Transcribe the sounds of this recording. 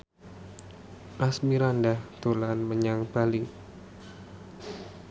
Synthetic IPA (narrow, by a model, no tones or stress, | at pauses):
ʔasmiɾandahd̪̥olanməɲaŋb̥ali